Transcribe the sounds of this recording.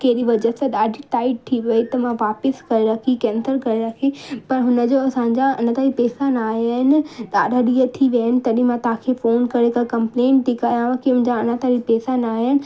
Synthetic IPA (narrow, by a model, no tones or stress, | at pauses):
keːɾiʋɐd͡ʑəseɗ̪aːɖʱiʈaːɪɖ̚t̪ʰiʋɐit̪ɐmãʋaːpɪskɐɾeɾɐkʰikɛ̃ːnsəɾkɐɾeɾɐkʰipɐɾɦʊnəd͡ʑoɐsãːɲ̆d͡ʑaɐnat̪aːɾipɛːsanaːɦaɦɪnɪ̆ɗaːɗʱaɗiət̪ʰiʋaːɪnɪ̆t̪ɐɗĩmãt̪ãkʰefoːnkɐɾekakɐ̃mpleːɳt̪ʰikajãʋãkiɦʊ̃ɦɪ̃ɲd͡ʑaɐnat̪aɾipɛːsanaːɦɪnɪ̆